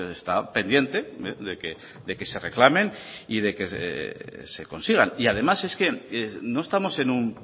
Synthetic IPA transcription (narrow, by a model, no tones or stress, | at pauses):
est̪ape̞nd̪je̞nt̪eeðeke | d̪e̞ke̞se̞re̞klamẽ̞nið̞e̞kḛ | seko̞nsiɣ̞aniað̞e̞mase̞ske̞eno̞est̪amo̞se̞num